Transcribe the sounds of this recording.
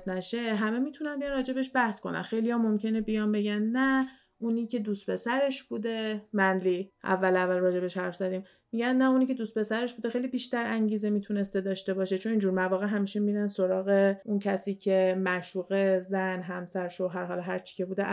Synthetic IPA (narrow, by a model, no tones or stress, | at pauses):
t̪næʃeɦæme̞miːt̪ʰunænbijænrɒːd͡ʒe̞beʃbæhsko̞̰næ̰nxejlijɒːmo̞mcʰe̞ne̞bijɒmbe̞ɟænnæ | uniːcʰe̞d̪uːst̪be̞sæɾe̞ʃb̥uːd̪e̞mænd̪liːʔæ̰vːælævælrɒːd͡ʒe̞beʃhæɾfz̥æd̪iːm | miɟænnæuniːcʰe̞d̪uːst̪̚pe̞sæɾe̞ʃbuːd̪eejliːbiːʃt̪æɾæŋɟiːze̞mit̪ʰune̞st̪e̞d̪ɒːʃt̪e̞bɒʃet͡ʃʰo̞niːnd͡ʒuːɾmævɒːɣeɦæmiːʃe̞miːɾænsoɾɒːɣe̞uncʰæsiːcʰe̞mæʃuːɣe̞zænɦæmsæɾʃoɦæɾɦɒːlɒɦæɾt͡ʃʰi̥cʰe̞buːd̪e